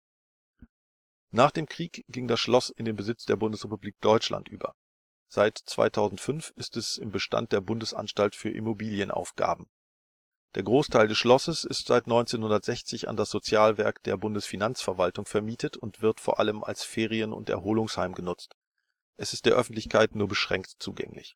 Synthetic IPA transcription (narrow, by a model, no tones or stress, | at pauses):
naːχd̥eːmkʁ̥iːkɡ̥ɪŋdasʃlɔsɪndeːnbəzɪt͡sd̥eːɐbʊndəsʁ̥epubliːk̚d̥ɔʏt͡ʃla̰ntʔyːbɐ̰ | z̥aɪtt͡sv̥a̰ɪtʰaʊzn̩tfʏnfɪstɛsɪmbəʃta̰nt̚d̥eːɐbʊndəsʔa̰nʃtaltfyːɐʔɪ̰mobiːljənʔa̰ʊfɡ̥a̰ːb̚m̩ | d̥eːɐɡʁoːstʰaɪldɛsʃlɔsəsɪstz̥a̰ɪtnɔʏnt͡seːnhʊndɐtz̥ɛçt͡sɪça̰ndasz̥ot͡sjaːlvɛɐkd̥ḛːɐbʊndəsfinant͡sfɛɐvaltʊŋfɛɐmiːtʰətʰʊntv̥ɪɐtfoːɐʔa̰ləmʔa̰lsfeːʁ̞iənʊ̰ntɛ̰ɐɦoːlʊŋshaɪmɡənʊt͡st | ʔɛsɪst̚d̥eːɐʔœfn̩tlɪçkʰaɪtnuːɐbəʃʁ̥ɛŋktt͡sṵːɡɛ̰ŋlɪ̰ç